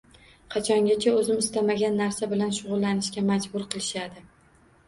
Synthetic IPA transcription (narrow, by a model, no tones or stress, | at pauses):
qʰɑt͡ʃʰɒŋɡʲat͡ʃʰaɵzɪmɪst̪amaɡʲanːaɾsabɪlanʃʊʁʊlˠːanɪʃkʲamad͡ʒbʊɾqʰɨlˠɪʃad̪ɪ